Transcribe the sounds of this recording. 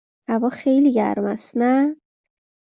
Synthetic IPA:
hævɒːxejliɡɟæ̰ɾmæst̪næ

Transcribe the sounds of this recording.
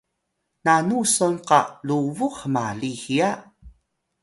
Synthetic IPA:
nanusonqaluvuxmalihia

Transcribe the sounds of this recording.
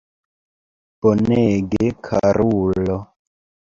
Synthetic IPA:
b̥oneɡekʰaɾulo

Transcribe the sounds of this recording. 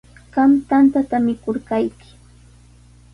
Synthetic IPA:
ɢ̥amt̪ant̪at̪amɪkoɾkajkɪ̥

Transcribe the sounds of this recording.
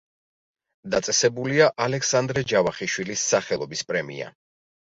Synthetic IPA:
d̪at̪sʼɛsɛbuliaʔalɛksand̪ɾɛd͡ʒavaχiʃwilisːaχɛlˠɔbispʼɾɛmḭa̰

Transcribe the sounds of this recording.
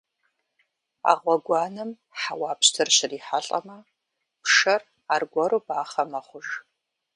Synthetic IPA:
a̰ːʁʷɔɡʷɑːnɨm | ħawɑːpɕtʰɨrɕɪriːħaɬʼɐ̰mɐ | pʂɐr | aːrɡʷɐɾubaːχɐmɐχʷʊʒ

